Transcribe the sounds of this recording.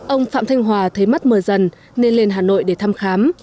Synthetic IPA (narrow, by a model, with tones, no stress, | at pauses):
ʔə˧wŋ͡mfa̰ː˧˨mt̪ʰa˧jŋ̟ɦwaː˨˩t̪ʰə˨˦jma˦˥t̚məː˨˩jzə˨˩n | ne˧nle˧nɦaː˨˩no̰˧˨jɗe˧˩t̪ʰaː˧mxaː˨˦m